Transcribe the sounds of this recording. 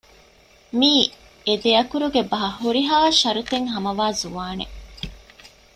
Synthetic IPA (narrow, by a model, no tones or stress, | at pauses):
miː | ed̪eɐkuɾuɡebɐɦɐhuɾiɦaːʃɐɾut̪eŋɦɐmɐʋaːzuʋaːnḛ